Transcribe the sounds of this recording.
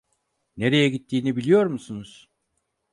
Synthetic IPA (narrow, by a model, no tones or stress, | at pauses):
ne̞ɾe̞jɛɟit̪ʰːiːnibilʲijo̞ɾmusunuz̥